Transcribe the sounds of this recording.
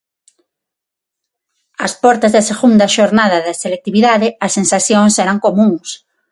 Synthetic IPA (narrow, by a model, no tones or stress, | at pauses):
ɐspɔɾt̪ɐzðɐseɣund̪ɐʃoɾnaðɐðɐselek̚t̪iβiðaðɪɐsensaθjoŋsɛɾɐŋkomũŋs